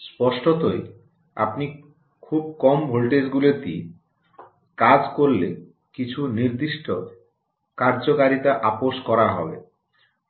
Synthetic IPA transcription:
spɔʃʈot̪oj | a̰pni | kʰub̚kɔmbʱolʈed͡ʑɡulet̪i | kad͡ʑkoɾle | kit͡ɕʰuniɾd̪iʃʈo | kaɾd͡ʑokaɾit̪aʔapoʃkɔɾaɦɔ̰bḛ

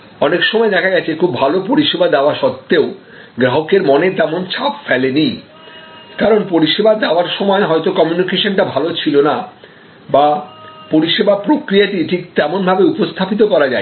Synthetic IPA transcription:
ɔnekʃɔmɔed̪ɛkʰaɡɛt͡ɕʰekʰubːʱalopoɾiʃebad̪ɛoaɾʃɔt̪ːeo | ɡɾaɦokeɾmɔnet̪ɛmont͡ɕʰapfɛleni | kaɾonpoɾiʃebad̪ɛoaɾʃɔmɔeɦɔjt̪okɔmjunikeʃonʈabʱalot͡ɕʰilona | bapoɾiʃebapɾokɾijaʈiʈʰik̚t̪ɛmonbʱabeupost̪ʰapit̪̬okɔɾad͡ʑa̰e

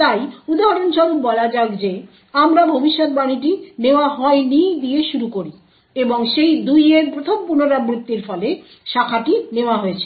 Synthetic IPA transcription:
t̪ajud̪aɦaɾonʃɔbubɔlad͡ʑaɡd͡ʑe | amɾabʱobiʃːot̪̚baniʈ̬ineoaɦɔenid̪ijeʃuɾukoɾi | eboŋʃejd̪ujeɾpɾot̪ʰompuɾnoɾamɾit̪ːiɾfɔle | ʃakʰaʈineoaɦoet͡ɕʰe̥

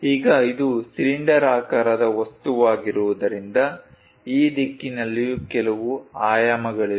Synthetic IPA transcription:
iːɡɐid̪usiliɳɖɐɾaːkaɾɐd̪ɐʋɐst̪uʋaːɡiɾuʋud̪ɐɾind̪ɐ | iːd̪ikːinɐlːijukɛlɐʋuaːjaːmɐɡɐɭi

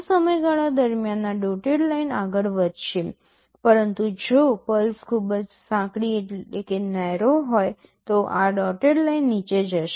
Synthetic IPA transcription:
səməjɡaɭad̪əɾmjanːaɖɔʈeɽlainaɡəɭʋəd̪ʱʃe | pəɾənt̪ud͡ʒopəlskʰubəd͡ʒsãkɽieekenajɾoɦoj | t̪oʔaɖɔʈeɽlainːit͡ʃed͡ʒəʃe

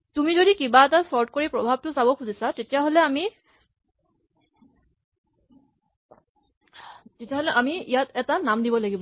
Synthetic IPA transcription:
tumizodikibaɛtasɔɹtkoɹipɹɔbʱab̚tʊsabɔkʰuzisatetijaɦolɛami | tetijaɦolɛʔamiijatɛtanamdibɔlaɡibɔ

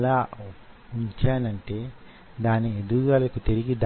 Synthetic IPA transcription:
laː | uɲt͡ʃaːnɐɳʈe̞ː | d̪aːnːied̪uɡaːlɐkut̪iɾiɡid̪

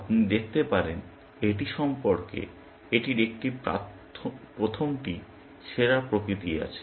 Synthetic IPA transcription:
apnid̪ek̚ʰt̪epaɾen | eʈiʃɔmpoɾkḛ | eʈiɾek̚ʈipa̰ | pɾot̪ʰomʈi | ʃeɾapɾokɾit̪ia̰t͡ɕʰe̥

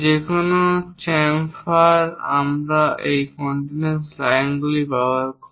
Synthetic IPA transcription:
d͡ʑekonot͡ʃɛmfaɾa̰mɾaʔejkɔɳʈinenslajŋɡlipaoaɾko

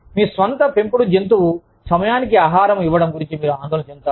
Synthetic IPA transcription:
miːsʋɐnt̪ɐpempuɽud͡ʒent̪̬u | sɐmɐjaːnikiaːɦaːɾɐmiʋːɐɽɐmɡuɾiɲt͡ʃimiːɾuaːnd̪ɔːlɐnɐt͡ʃɛnut̪aː

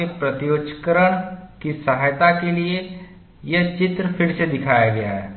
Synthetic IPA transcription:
epɾɐt̪ijoːt͡ʃə̥kəɾəɽ̃kisɐɦaːjt̪akelie | jɐt͡ʃɪt̪ɾəpʰɪɽsed̪ɪkʰaːjaɡɐjaɦɛ̰ː

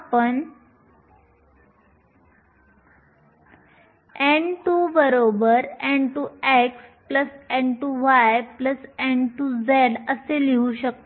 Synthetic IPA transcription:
apəɳ | ẽɳʈubəɾobəɾɛ̃ɳʈuekspləsɛ̃ɳʈuʋajpləsẽɳʈud͡zeɽəseliuɕək̚t̪o

